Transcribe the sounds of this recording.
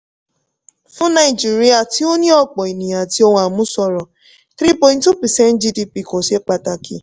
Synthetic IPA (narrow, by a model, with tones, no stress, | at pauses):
fũ˦na˨i˨d͡ʒi˨ɾi˦a˨ti˦o˦nĩ˦ɔ˦˨k͡pɔ˨i˨nĩ˨a˨ti˦o˦ŋ̃˦a˨mũ˦sɔ˧ɾɔ˨ | t̪ɾi˦pɔ̃˨j̃ntu˦pi˨sɛ˦n̩˦d͡ʒi˧di˧pi˦˨ko˨se˦k͡pa˧ta˨kʰḭ˦